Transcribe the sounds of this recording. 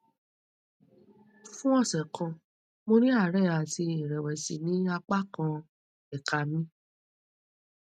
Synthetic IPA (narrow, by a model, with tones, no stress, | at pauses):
fũ˦ɔ˦˨sɛ˨kʰã˧ | mo˧ɾi˦a˦˨ɾɛ˦˨a˨ti˧ĩ˨ɾɛ˨wɛ˨si˨˦nĩ˦a˧k͡pa˦kã˧ | ɛ˨ka˨mĩ˦